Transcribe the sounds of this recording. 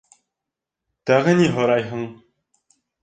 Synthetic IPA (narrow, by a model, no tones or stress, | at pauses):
t̪æʁɘ̆niɦɤ̆ɾɑjɦɤ̆ɴ